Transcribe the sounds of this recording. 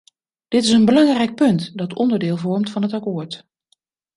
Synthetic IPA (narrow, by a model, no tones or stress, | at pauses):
d̥ɪtɪsənbəlɑŋrɛjk̚pɵntdɑtʰɔ̰ndəɹdɪːlˠvɔɹmtfɑnɦətakoːɹt